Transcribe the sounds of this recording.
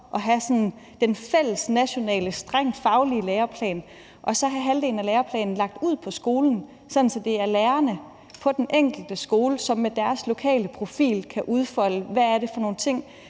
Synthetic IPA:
ʔɒ̽ɦæsɒ̽nn | d̥enfel̰əsnæɕo̝nɛ̰ːləsd̥ʁaŋ̰d̥fɑ̈ʊlileːɐpʰlɛ̰ːn | ʔɒ̽sɒ̽ɦæɦæld̥e̝̰ːln̩æleːɐpʰlɛ̰ːnn̩lɑ̈ɡ̥̚d̥uð̞̰ˠpʰɒ̽sɡ̥o̝ːln̩ | sɒ̽n̩sɒ̽d̥e̝æɐleːɐnə | pʰɒ̽d̥enʔeŋ̰ɡ̥l̩d̥əsɡ̥o̝ːləsɒ̽mːed̥æɐslo̝kʰɛ̰ːləpʰʁo̝fḭːlkʰæʔuð̞ˠfɒ̽l̰əʋææɐɾe̝fɒno̝ːn̩t͡sʰe̝ŋ̰

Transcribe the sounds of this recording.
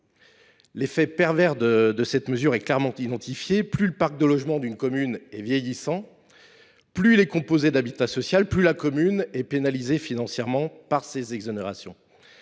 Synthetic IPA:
lefɛpɛʁvɛʁd̪əd̪əsɛt̪məzyʁɛklɛʁmɑ̃t̪id̪ɑ̃t̪ifjeplyləpaʁk̚d̪əlɔʒmɑ̃d̪ynkɔmynɛvjɛjisɑ̃ | plyilɛkɔ̃pozed̪abit̪asɔsjalplylakɔmynɛpenalizefinɑ̃sjɛʁmɑ̃paʁsezɛɡzɔneʁasjɔ̰̃

